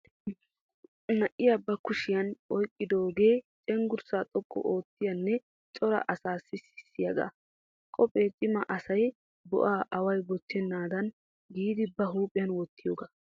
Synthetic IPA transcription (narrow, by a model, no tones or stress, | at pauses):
nɐʔɪjabɐkʊʃɪjɐnɔjkʼːɪd̪o̞ːɡe̞ːt͡ʃʼɛŋɡʊɾsaːt̪ʼɔkʼːɔ̰ʔoːt̪ːɪjɐnːɛ | t͡ʃʼɔɾɐ̰ʔɐsaːsːɪsɪ̥sːɪjɐɡa̰ | kʼɔpʼeːtʼɪmɐʔɐsɐj | bɔ̰ʔaːʔɐwɐjbɔt̪ːɛnːaːd̪ɐn | ɡiːd̪ɪbɐɦuːpʼːɪjɐnwɔt̪ːɪjoːɡa